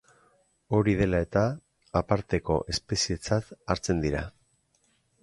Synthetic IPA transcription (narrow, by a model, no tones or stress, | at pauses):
o̞ɾið̞e̞lae̞t̪aː | paɾt̪e̞ko̞̰ʔe̞spe̞sie̞t͡sat̪aɾt͡se̞nd̪iɾa